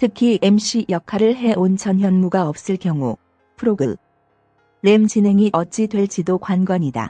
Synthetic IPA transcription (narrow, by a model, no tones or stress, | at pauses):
tʰɯkʰie̞mɕ͈ijʌkʰaɾɯɭɦe̞ʔont͡ɕʰʌnçjʌnmuɡaʌp̚s͈ɯɭkjʌŋu | pʰɯɾoɡɯ | ɾe̞mt͡ɕine̞ŋiʔʌt͡ɕ͈idwe̞ɭt͡ɕidokwanɡwʌɲida̰